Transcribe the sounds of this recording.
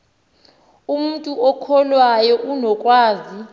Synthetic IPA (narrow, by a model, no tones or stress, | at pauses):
um̩tʼuɔkʰɔlwajɔʔunɔkʼwaːzi